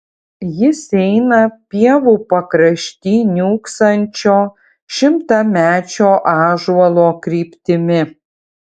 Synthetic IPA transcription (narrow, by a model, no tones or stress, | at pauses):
jɪsɛɪnɐpʲiɛʋuːpɐkɾɐʃʲt̪ʲiːnʲuːksɐnʲt͡ʃʲoː | ʃʲɪmt̪ɑmʲæːt͡ʃʲoːʔɑːʒuɐlˠoːkɾʲiːpʲt̪ʲɪmʲɪ